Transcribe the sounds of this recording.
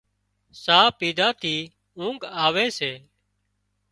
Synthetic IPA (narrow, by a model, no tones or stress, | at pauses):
saːpiːd̪ʱaːt̪ʰiː | ũːŋɡaːʋeːseː